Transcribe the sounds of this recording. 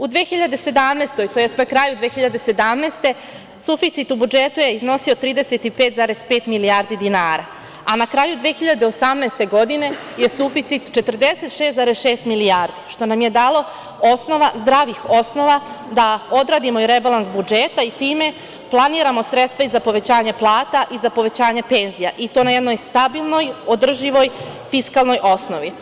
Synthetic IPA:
ud̪ʋeːxiʎad̪e̞se̞d̪amneːst̪o̞jt̪ojest̪nakɾaːjud̪ʋeːxiʎad̪e̞se̞d̪amneːst̪e̞ | sufit̪sit̪ubud͡ʒet̪ujeizno̞siot̪ɾiːd̪eset̪ipe̞ːt̪zaːɾespeːt̪miliaːɾd̪id̪inaːɾa | anakɾaːjud̪ʋexiʎad̪eosamneːst̪e̞ɡo̞d̪ine̞ | je̞sufit̪sit̪t͡ʃe̞t̪r̩d̪eset̪ʃe̞ːst̪zaːɾesʃe̞ːst̪miliaːɾd̪iʃt̪o̞namje̞d̪aːlo̞ | o̞sno̞ʋazd̪ɾaːʋixo̞sno̞ʋad̪ao̞d̪ɾaːd̪imoiɾebalˠansbud͡ʒe̞t̪ait̪iːme̞ | plˠaniːɾamo̞sɾet̪st̪ʋaizapo̞ʋe̞t͡ɕaːɲe̞plˠaːt̪aʔizapo̞ʋe̞t͡ɕaːɲepe̞nzijaʔit̪o̞najed̪nojst̪abilˠno̞jo̞d̪r̩ʒiʋo̞jfiskalˠno̞jʔo̞snoʋi

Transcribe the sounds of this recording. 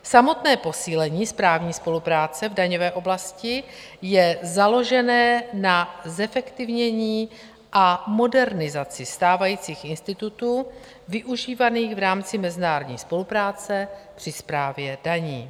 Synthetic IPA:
samo̞t̪nɛːpo̞siːlɛɲiːspɾaːvɲiːspo̞lupɾaːt͡sɛvdaɲovɛːʔo̞blascɪ | jɛzalo̞ʒɛnɛːnazɛfɛkt̪ɪvɲɛɲiː | ʔamo̞dɛɾnɪzat͡sɪst̪aːvajiːt͡siːxɪnst̪ɪt̪ut̪uː | vɪʔuʒiːvaniːxvɾaːmt͡sɪmɛzɪnaːɾodɲiːspo̞lupɾaːt͡sɛpr̥ɪspɾaːvjɛd̥aɲiː

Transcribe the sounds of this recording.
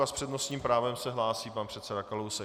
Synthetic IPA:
aspr̥ɛdnosɲiːmpɾaːvɛmsɛɦlaːsiːpanpr̥ɛt̪sɛdakalowsɛ

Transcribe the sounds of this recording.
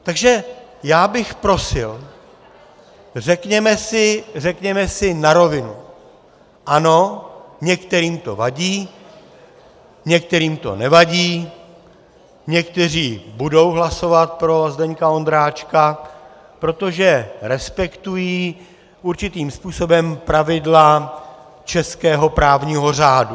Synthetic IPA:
t̪aɡʒɛjaːbɪxpɾo̞sɪl | r̝ɛkɲɛmɛsɪr̝ɛkɲɛmɛsɪnaɾo̞vɪnu | ʔano̞ɲɛkt̪ɛɾiːmt̪o̞vaɟiː | ɲɛk̚t̪ɛɾiːmt̪o̞̰nɛvaɟiː | ɲɛkt̪ɛr̝iːbudo̞wɦlaso̞vat̪̚pɾo̞zdɛɲkao̞nd̪ɾaːt͡ʃka | pɾo̞t̪o̞ʒɛɾɛspɛkt̪ujiː | ʔuɾt͡ʃɪt̪iːmspuːso̞bɛmpɾavɪdla | t͡ʃɛskɛːɦo̞pɾaːvɲiːɦo̞r̝aːdu

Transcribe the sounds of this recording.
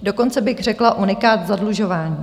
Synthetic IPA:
do̞ko̞nt͡sɛbɪɣr̝ɛklaʔunɪkaːt̪zadluʒo̞vaːɲiː

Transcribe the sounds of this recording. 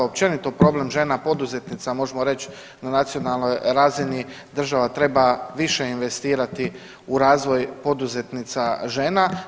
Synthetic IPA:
op̚t͡ʃe̞nit̪o̞pɾo̞ble̞mʒe̞ːnapo̞d̪uze̞t̪nit̪samo̞ʒemoɾe̞t͡ɕ | nanat̪sijonalˠno̞jɾaːzini | d̪r̩ʒaʋat̪ɾe̞baʋiʃe̞inʋe̞st̪iːɾat̪i | uɾaːzʋo̞jpo̞d̪uze̞t̪nit̪saʒe̞ːna

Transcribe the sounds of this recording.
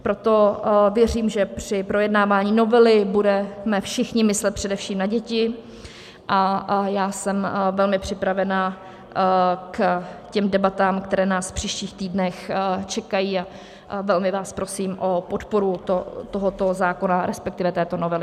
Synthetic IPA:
pɾo̞t̪o̞vjɛriːmʒɛpr̥ɪpɾo̞jɛdnaːvaːɲiːno̞vɛlɪbudɛmɛfʃɪxɲɪmɪslɛt̪pr̝̥ɛdɛfʃiːmnaɟɛcɪ | ʔajaːsɛmvɛlmɪpr̝̥ɪpɾavɛna | kcɛmdɛbat̪aːmkt̪ɛɾɛːnaːsfpr̝̥iːʃciːxt̪iːdnɛxt͡ʃɛkajiːa | vɛlmɪvaːspɾo̞siːmʔo̞pot̪po̞ɾut̪ot̪oɦot̪o̞zaːko̞naɾɛspɛk̚t̪ɪvɛt̪ɛːt̪onovɛlɪ

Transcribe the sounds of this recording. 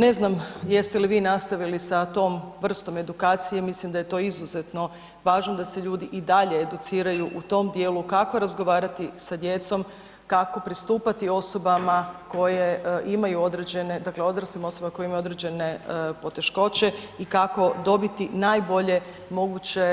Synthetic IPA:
ne̞znamje̞st̪eliʋiːnast̪aʋilisat̪o̞ːmʋr̩st̪o̞me̞d̪ukaːt̪sijemislimd̪aje̞t̪o̞ːizuze̞t̪no̞ | ʋaːʒnod̪aseʎuːd̪iʔid̪aʎe̞ːd̪ut̪siːɾajuʔut̪o̞md̪je̞ːlukako̞ɾazɡoʋaːɾat̪isad̪je̞t̪so̞m | kako̞pɾist̪uːpat̪io̞so̞bamako̞jeʔimajuo̞d̪ɾe̞d͡ʑe̞ned̪akle̞o̞d̪ɾasimo̞sobamakojeimajuo̞d̪ɾed͡ʑe̞ne̞po̞t̪e̞ʃko̞t͡ɕe̞ikako̞d̪o̞bit̪inajbo̞ʎe̞ | mo̞ɡut͡ɕe̞

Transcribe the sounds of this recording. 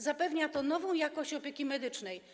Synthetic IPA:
zapɛvɲat̪ɔnɔvɔ̃w̃jakɔɕt͡ɕɔpʲjekʲimɛd̪ɘt͡ʂnɛj

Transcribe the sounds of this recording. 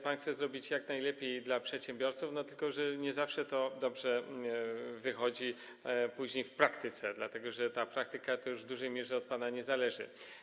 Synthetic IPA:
panxt̪sɛzɾɔbʲit͡ɕjaknajlɛpʲjejd̪lapʂɛt̪ɕɛmbʲjɔɾt̪sufnɔt̪ɘlkɔʐɛɲɛzafʂɛt̪ɔd̪ɔbʐɛ | vɘxɔd͡ʑi | puʑɲejfpɾakt̪ɘt̪sɛd̪lat̪ɛɡɔʐɛt̪apɾak̚t̪ɘkat̪ɔjuʐvd̪uʐɛjmʲjɛʐɛɔt̪̚panaɲɛzalɛʐɘ̰

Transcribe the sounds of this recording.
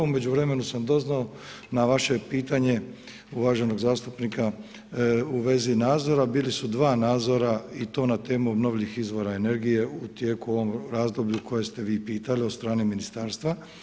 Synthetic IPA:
ume̞d͡ʒuʋɾe̞me̞nusamd̪o̞znao | naʋaʃe̞piːt̪aɲe̞ | uʋaʒe̞no̞ɡzaːst̪upnika | uʋe̞zinaːd̪zo̞ɾabiːlisud̪ʋaːnaːd̪zo̞ɾait̪o̞ːnat̪e̞ːmuobno̞ʋʎʲixizʋo̞ɾae̞ne̞ɾɡije̞ut̪jeːkuo̞ʋo̞mɾaːzd̪o̞bʎukʰo̞je̞st̪e̞ʋiːpiːt̪aliot̪st̪ɾaːneminist̪aːɾst̪ʋa

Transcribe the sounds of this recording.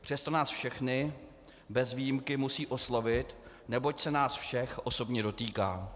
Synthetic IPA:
pr̝̥ɛst̪o̞naːsfʃɛxnɪ | bɛzvijɪmkɪmusiːʔo̞slo̞vɪt̪ | nɛbo̞csɛnaːsfʃɛxʔo̞so̞bɲɛdo̞t̪iːkaː

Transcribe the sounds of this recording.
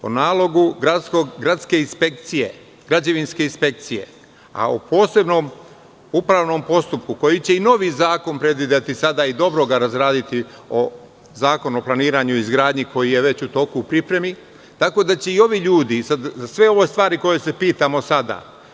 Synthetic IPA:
o̞̰naːlˠo̞ɡuɡɾakoɡɾat̪ske̞inspe̞k̚t̪sije̞̰ | ɡ̥ɾad͡ʑaʋinske̞inspe̞k̚t̪sije̞̰ | a̰o̰pʰo̞ːse̞bno̞ːm | upɾaːʋno̞mpo̞st̪up̚kuko̞jit͡ɕe̞ino̞ʋizaːko̞npɾe̞d̪ʋid̪at̪isad̪aid̪o̞bɾo̞ɡaɾazɾaːd̪it̪i | o | zaːko̞nuoplˠaniːɾaːɲuizɡɾaːd̪ɲiko̞jije̞ʋe̞t͡ɕut̪o̞ːkuːpɾipɾemi | t̪ako̞d̪at͡ɕe̞io̞ʋiʎuːd̪isad̪zasʋe̞o̞ʋo̞st̪ʋaːɾiko̞je̞se̞piːt̪amo̞sad̪a̰

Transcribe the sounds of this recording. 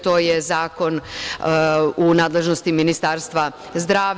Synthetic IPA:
t̪o̞ːjezaːko̞n | unaːd̪le̞ʒno̞st̪iminist̪aːɾst̪ʋa | zd̪ɾaː

